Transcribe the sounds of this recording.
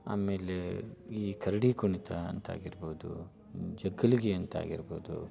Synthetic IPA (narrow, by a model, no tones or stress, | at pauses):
a̰ːmeːleiːkʰɐɾɐɽikuɳit̪ʰɐɐ̰nt̪a̰ːɡiɾboːd̪ṵ | d͡ʒɐɡːɐliɡeɐnt̪a̰ːɡiɾboːd̪ṵ